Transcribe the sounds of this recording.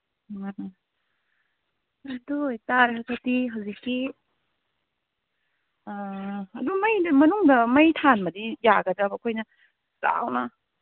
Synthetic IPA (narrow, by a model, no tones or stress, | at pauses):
ɐdujtaɾɦakʰɐtiɦawzikːi | ɐdumɐjdɐmɐnuŋdɐmɐjtʰanmɐdijaɡɐdɐbɐkʰojnɐ | sa̰wnɐ